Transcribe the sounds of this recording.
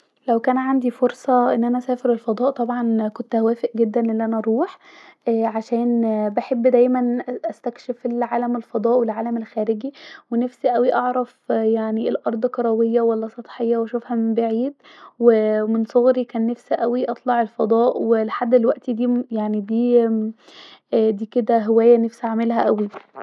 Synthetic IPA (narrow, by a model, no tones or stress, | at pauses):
læwkæːnʕand̪ifoɾsˤɑʔenːʔænæʔæsæːfeɾelfɑd̪ˤɑːʔt̪ˤɑbʕɑnkont̪hæwæːfeʔɡed̪ːænʔelːiʔænæʔæɑɾˤuːħʔæːʕaʃæːnbaħebːd̪æjmænʔæst̪ækʃefelʕaːlæmelfɑd̪ˤɑːʔwelʕaːlæmelxæːɾeɡiwenæfsiʔæwiʔɑʕɾˤɑfjaʕnielʔɑɾˤd̪ˤkɑɾˤɑwejːæwælːæsˤɑt̪ˤħejːɑwæʃofhæmembaʕiːd̪wemensˤoɣɾikæːnːæfsiʔæwiʔɑt̪ˤlɑʕelfɑd̪ˤɑːʔweleħad̪ːelwæʔt̪id̪iːjaʕnid̪iː | d̪iːked̪æɦowæːjːænæfsiʕamelɦæʔæwi